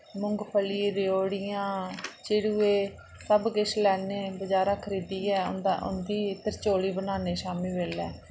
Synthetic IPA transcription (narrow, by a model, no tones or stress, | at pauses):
mʊ̃ŋɡpʰəliːɾɪjoːɽɪjãːt͡ʃɪɽuːeː | səbɡɪʃlɛːneːbəd͡ʒaːɾãːkʰəɾiːd̪iːɛ̰ːnd̪aʔʊ̰nd̪iːɪt̪əɾt͡ʃoːɽiːbənaːneːʃaːmiːʋeːlɛː